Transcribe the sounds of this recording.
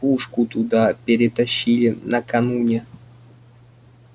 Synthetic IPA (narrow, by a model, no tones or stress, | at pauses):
puʂkʊt̪ʊd̪apʲɪɾʲɪt̪ɐɕːilʲɪnəkɐnunʲɪ